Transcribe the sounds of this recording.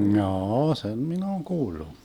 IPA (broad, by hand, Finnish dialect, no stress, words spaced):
m̩jɑːɑ sem min oːŋ kuːlːu